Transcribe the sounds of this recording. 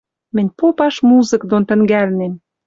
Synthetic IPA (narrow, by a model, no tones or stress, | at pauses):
mɘ̆nʲpopɑʃmuzɤ̆kd̪ont̪ə̆ŋɡælnem